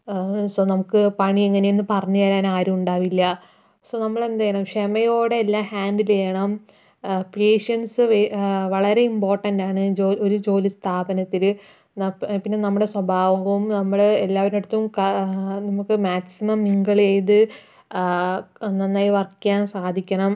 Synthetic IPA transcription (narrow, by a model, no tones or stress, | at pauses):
soːnɐmukːɨpɐɳieŋːɐnejonːɨpɐrɐɲːujaːɾaːnaːɾumuɳɖaːʋilːɐ | soːnɐmːɐɭe̞nd̪aːjɐɳɐmʂemɐjo̞ːɽe̞ːlːaːhaːɳɖilejɐɳɐm | peːʂɐnsɨʋeʋɐɭɐɾe̞impo̞ːrʈɐndaːɳɨd͡ʑoːo̞ɾud͡ʑo̞ːlist̪ʰaːbɐnɐt̪ːil | nɐpinːe̞nɐmːuɽe̞swɐbʱaːʋɐumnɐmːuɽeːlːaːʋɐɾeɽɐt̪ːɐumkɐnɐmukːɨmaːksimɐmniŋɡɐɭejt̪ɨ | nːɐnːaːjiʋɐrkːaːnsaːd̪ʱikʲːɐɳɐm